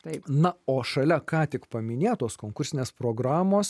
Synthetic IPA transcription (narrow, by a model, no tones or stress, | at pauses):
t̪ɐɪpnɐoːʃɐlʲɛkɑːt̪ʲɪkpɐmʲɪnʲeːjt̪oːskoːŋkʊsʲɪnʲeːspɾoːɡɾɑːmoːs